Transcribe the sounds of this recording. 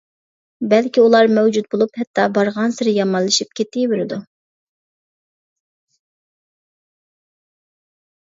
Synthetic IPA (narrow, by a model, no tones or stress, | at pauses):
bɛlkʲiulˠɑɾmɛwd͡ʒut̪̚bolˠuphɛt̪ʰːɑbɑɾʁɑnsɪɾɪjɑmɑnlˠːɨʃip̚kʲʰet̪ːɪweɾɪd̪u